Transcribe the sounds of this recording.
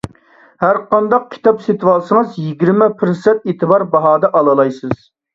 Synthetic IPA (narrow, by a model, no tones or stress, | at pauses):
hæɾqɑnd̪ɑq̚kʲʰi̥t̪ʰɑpset̪wɑlˠsəŋəzjiɡʲiɾmɛpʰɪɾsɛt̪et̪ʰɨbɑɾbɑɦɑːd̪ɛʔɑlˠɨlˠɑjsɨz̥